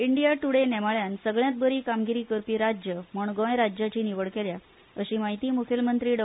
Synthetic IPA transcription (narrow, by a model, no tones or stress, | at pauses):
iɳɖijaʈuɽenɛmaɭjansəɡɭjãt̪̚bəɾiːkamɡiɾiːkəɾpiːɾad͡ʑjəməɳɡõjɾad͡ʑjat͡ɕiːniʋəɭkelja | əɕiːmaɦit̪iːmukʰjəlmənt̪ɾiːɖə